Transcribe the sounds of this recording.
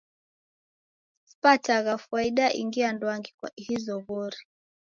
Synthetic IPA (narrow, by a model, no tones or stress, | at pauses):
spataɣafuwaiɗaʔḭŋɡiandwaŋɡiahizɔɣɔɾi